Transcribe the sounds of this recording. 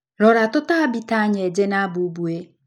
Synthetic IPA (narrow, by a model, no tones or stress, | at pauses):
ɾɔɾatʊtaabitaaɲed͡ʒenabuubue